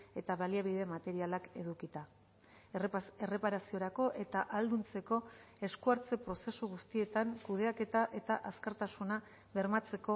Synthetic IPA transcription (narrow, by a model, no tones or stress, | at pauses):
e̞t̪aβaliaβ̞iðe̞mat̪e̞ɾialake̞ðukit̪a | ere̞paɾasio̞ɾako̞ʔe̞t̪aʔald̪unt͡se̞ko̞ | e̞skuaɾt͡se̞pɾo̞se̞suɣust̪ie̞t̪aŋkuð̞e̞ake̞t̪aʔe̞t̪aʔaskaɾt̪asuna | βe̞ɾmat͡se̞ko̞